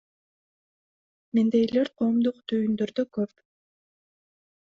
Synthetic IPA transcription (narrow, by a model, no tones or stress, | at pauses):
mend̪ejleɾqʰoːmd̪uqt̪ʰyjynd̪øɾd̪økøp